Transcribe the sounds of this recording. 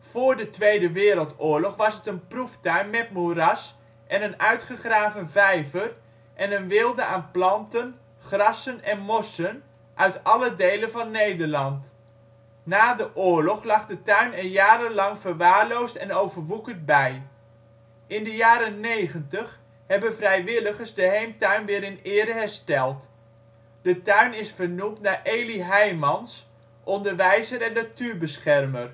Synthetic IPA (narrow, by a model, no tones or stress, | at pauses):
fʊːɹdətʋejdəʋɪːɾəlˠtʊːɹlɔχʋɑsətənpruftœɥnmɛt̚muɾɑs | ʔɛnənœɥtχəχraːvənvɛjvər | ʔɛnənʋɪlˠdəaːnplɑntən | χrɑsənɛnmɔsən | ʔœɥtɑlədejlənvɑnːejdəɹlɑnt | naːdəʔʊːɹlɔχlɑχdətœɥnənjaːɾəlɑŋv̥əɹʋaːɹlowstɛnowvəɹʋukənt̚bɛj | ʔɪndəjaːɾənejχəntəχ | hɛbənvrɛjʋɪləχəɹzdəɦejmtœɥnʋɪːɾɪnɪːɾəɦɛɹstɛlˠt | d̥ətœɥnɪsfəɹnumtnaːɹʔejliɦɛjmɑns | ʔɔndəɹʋɛjzəɾɛndatyːɹbəsχɛrməɹ